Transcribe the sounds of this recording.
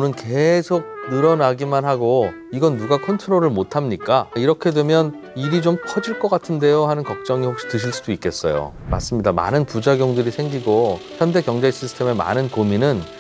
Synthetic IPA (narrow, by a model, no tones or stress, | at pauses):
onɯnkesʰok̚nɯɾʌnaɡimanɦaɡo | iɡʌnːuɡakʰontʰɯnoɾɯɭmotʰamɲik͈aiɾʌkʰe̞dwe̞mjʌn | iɾit͡ɕomkʰʌd͡ʑiɭk͈ʌk͈atʰɯnde̞joɦanɯnkʌk̚t͡ɕ͈ʌŋihok̚ɕ͈i̥tɯɕ̬ʰiɭs͈udoik͈e̞s͈ʌjo̰ | ma̰s͈ɯmɲidama̰nɯnpud͡ʑaɡjoŋdɯɾisʰe̞ŋɡiɡosʰande̞kjʌŋd͡ʑeɕ͈ʰisʰɯ̥tʰe̞me̞ma̰nɯnkominɯn